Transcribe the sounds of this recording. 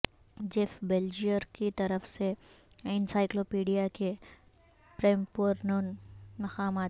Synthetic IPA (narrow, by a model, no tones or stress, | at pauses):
d͡ʒefbeld͡ʒijəɾkit̪ɐɾəfse | ɪnsaːɪkloːpiːɖijake | pɾeːmpuɾnoːnmɐqaːmaːt̪